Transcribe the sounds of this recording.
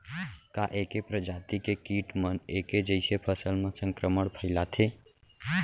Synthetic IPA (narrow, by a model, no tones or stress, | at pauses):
kaʔekepɾəd͡ʒat̪ikekiʈməneked͡ʒəɪsepʰəsəlmesəŋkɾəməɽpʰəɪlat̪ʰe